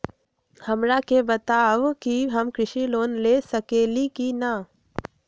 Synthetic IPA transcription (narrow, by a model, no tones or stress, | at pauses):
həmɾakebət̪aːʋkiɦəmkɾɪʃiloːnlesəkeːlikina